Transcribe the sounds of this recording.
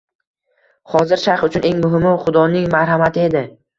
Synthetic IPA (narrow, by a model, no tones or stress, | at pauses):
χɒzɪɾʃaɾχʊt͡ʃʰʊne̞ŋmʊɦɪmʊχʊd̪ɒnɪŋmaɾɦamat̪ʰɪe̞d̪ɪ